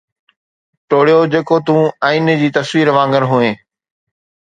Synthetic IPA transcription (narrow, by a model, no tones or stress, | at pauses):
ʈoːɽijod͡ʑeːkot̪ũːãind͡ʑiːt̪ɐsʋiːɾʋãːŋɡəɾɦuẽː